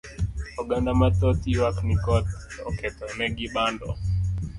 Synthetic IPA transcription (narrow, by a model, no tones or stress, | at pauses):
ɔɡandamatɔtiwaknikɔtɔ̰kɛtɔnɛɡiɓandɔ